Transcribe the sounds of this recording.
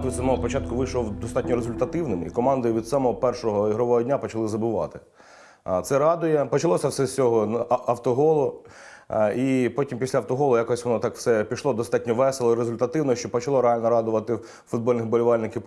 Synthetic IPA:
t̪ɪsɐmɔɦɔpɔt͡ʃɑt̪̚kʊʋɪʃlɔwd̪ɔst̪ɑtʲnʲɔɾezʊlʲt̪ɐt̪ɪwnɪmḭkɔmɑnd̪ɪʋʲid̪sɔmɔɦɔpɛrʃɔɦɔiɦɾɔʋɔɦɔdʲnʲapɔt͡ʃɐlˠɪzɐbʊʋɑ̰t̪ɪ̥ | t̪sɛɾɑd̪ʊjɛpɔt͡ʃɐlˠɔsʲɐwsɛst͡sʲɔɦɔɐwt̪ɔɦɔlˠʊ | ipɔtʲimpʲisʲlʲɐwt̪ɔɦɔlˠʊjakɔɔsʲʋɔnɔt̪ɑkw̥sɛpʲiʃlˠɔd̪ɔst̪ɑtʲnʲɔʋɛselˠɔiɾezʊlʲt̪ɐt̪ɪwnɔʃt͡ʃɔpɔt͡ʃɐlˠɔɾeɦɑlʲnɔɾɑd̪ʊʋɐt̪ɪ | fʊd̪bɔlʲnɪxbɔlʲʊʋɑlʲnɪkʲɪw

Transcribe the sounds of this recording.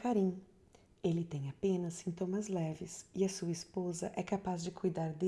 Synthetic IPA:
kaɾĩ | elɪt̪ẽj̃apẽnɐsːĩnt̪omɐzlɛvɪsɪɐsuɐispozɐ̰ʔɛkapazd͡ʒɪkujd̪aɾd̪e

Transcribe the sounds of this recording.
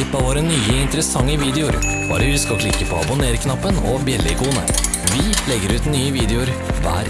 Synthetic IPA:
ɪpːɑʋoːɾənyːəɪnt̪əɾəsɑŋːəʋiːd̪ɛʊɾb̥ɑ̰ːɾəhʉskɔkʰlɪkːəpʰɔːɑ̰bʊneːɾkʰnɑpːənɔ̰bjɛlːɪɪkʰuːnə̰ | ʋɪlɛɡːəɾʉːt̪nyːəʋiːd̪ɛʊɾ | ʋæ̰ːɾ

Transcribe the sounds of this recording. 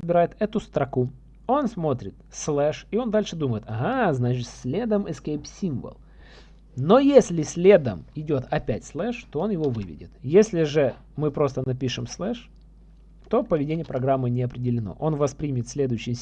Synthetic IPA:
bʲɪɾajɪt̪ɛt̪ʊst̪ɾɐku | o̞nsmo̞t̪ɾʲɪt̪slˠɛʂɪo̞nd̪alʲʂɨd̪uməjɪt̪ɐɣaznat͡ɕɪt̪sʲlʲed̪əmɨskejpsʲimvə̰lˠ | no̞jesʲlʲɪsʲlʲe̞d̪əmɪdʲo̞t̪ɐpʲætʲslˠɛʂt̪o̞o̞njɪvo̞vɨvʲɪ̰dʲɪ̰t̪jesʲlʲɪʐɨ | mɨpɾo̞st̪ənɐpʲiʂɨmslˠɛʂ | t̪o̞pəvʲɪdʲenʲɪjəpɾɐɡɾamːɨnʲɪɐpɾʲɪdʲɪlʲɪno̞̰ʔo̞nvɐspɾʲimʲɪt̪sʲlʲe̞d̪ʊjʏɕːɪj

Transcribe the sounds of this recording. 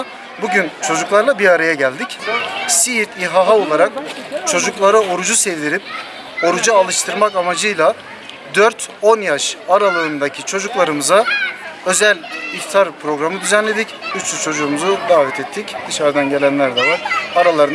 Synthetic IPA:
buɟynt͡ʃʰo̞d͡ʒuklˠaɾlˠabiɾaɾajaɟælʲd̪icsiiɾt̪iɦaɦao̞lˠaɾak̚t͡ʃʰo̞d͡ʒuklˠaɾao̞ɾud͡ʒusɛvd̪iɾip̚ | o̞ɾud͡ʒaalˠɯʃt̪ʰɯɾmakamad͡ʒɯjlˠa | d̪øɾt̪ʰo̞njaʃaɾalˠɯɯnd̪acʰit͡ʃʰo̞d͡ʒuklˠaɾɯmɯzaø̞zælʲiçt̪ʰaɾpʰɾo̞ɡɾamɯd̪yzænlʲe̞d̪icyt͡ʃ̪yt͡ʃʰo̞d͡ʒuːmuzud̪aːvɛt̪ʰɛt̪ʰːicd̪̥ɯʃaɾd̪anɟelʲænlʲæɾd̪ɛvaɾaɾalˠaɾɯn

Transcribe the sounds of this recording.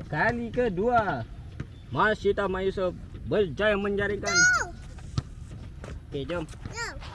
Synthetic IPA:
kalikədua | masit̪amajusufbərd͡ʒajaməɲd͡ʒaɾiŋkan | ked͡ʒom

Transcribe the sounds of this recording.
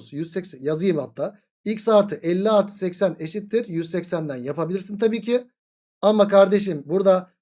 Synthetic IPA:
z̥jyzsɛcsjazɯjɯmhat̪ʰːaː | ilʲcsaːɾt̪ʰɯʔɛlʲːiaɾt̪ʰɯ̥sɛcsæne̞ʃit̪ːiɾjyzsɛcsænd̪ænjapʰabilʲiɾsint̪ʰabiːcʰi | amakʰaɾd̪e̞ʃ̬imbuɾd̪a

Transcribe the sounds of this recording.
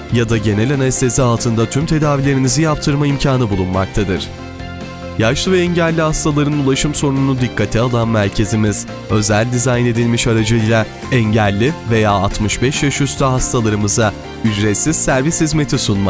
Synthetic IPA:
jad̪aɟe̞nɛlʲanalʲist̪ʰe̞sialˠt̪ʰɯnd̪at̪ʰymt̪ʰe̞d̪aːvilʲe̞ɾinizijap̚t̪ʰɯɾmaimcʰaːnɯbulˠunmak̚t̪ʰad̪ɯɾ̥ | jaʃlˠɯvɛɛɲɟælʲːihast̪alˠaɾɯnulˠaʃɯmso̞nunud̪ikʰːat̪ʰialˠanmæɾcʰe̞zimiz̥ | ø̞zælʲd̪izajne̞d̪ilʲmiʃaɾad͡ʒɯjlʲˠa | ɛɲɟælʲːive̞jaːat̪mɯʃbɛʃjaʃyst̪aɦast̪ʰalˠaɾɯmɯza | yd͡ʒɾet̪siz̥sæɾvishizme̞t̪ʰisunma

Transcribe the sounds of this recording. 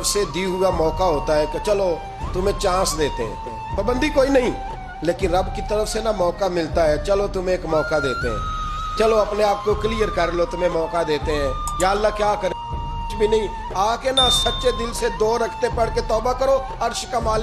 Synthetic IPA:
sed̪iɦʊamɔːkaɦoːt̪aɦɛket͡ʃɐlo | t̪ʊmẽt͡ʃãːsd̪eːt̪eɦɛ̰̃ː | pəbə̃nd̪ʱikoːinɐɦĩ | leːkɪnɾɐbkit̪əɾəfsenamɔːkamɪlt̪aɦɛːt͡ʃɐlot̪ʊmẽːkmɔːkad̪eːt̪eɦɛ̰̃ː | t͡ʃɐloɐpneaːp̚kokliːjəɾkəɾlot̪ʊm̤ẽmɔːkad̪eːt̪eɦɛ̃ːjaːəlːakjaːkəɾ | t͡ʃbʱinɐɦĩ | aːkenasɐtːʃed̪ɪlsed̪oːɾəkʰt̪epəɽket̪ɔːbakəɾo | ɐɾʃkamaːl

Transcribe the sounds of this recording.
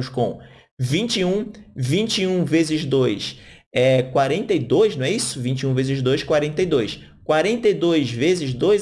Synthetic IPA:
ʊʃkõ | vĩt͡ʃiũvĩnt͡ʃiũvezɪzd̪ojs | ɛkwaɾẽnt̪ejd̪ojʃnɐ̃ɛisʊvĩnt͡ʃiũvezɪzd̪ojʃkwaɾẽnt̪ejd̪ojs | kwaɾẽnt̪ejd̪ojzvezɪzd̪ojz

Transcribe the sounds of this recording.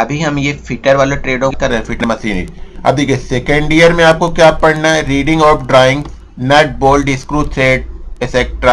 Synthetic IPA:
ɐbʱiɦɐmjefʰɪʈəɾʋaːlõʈɾeːɖõkɐɾẽfʰɪʈnmɐsiːnḭɐ̰b̚d̪iːkʰesekə̃ɳɖijəɾmẽaːp̚kokjaːppɐɽnaɛɾiːɖɪ̃ŋɡɔːɾpɖɾaːɪ̃ŋɡ | nɛːʈ̚boːlɖɪskɾuːt̪ʰɾeːɖ̚eseːk̚ʈɾaː

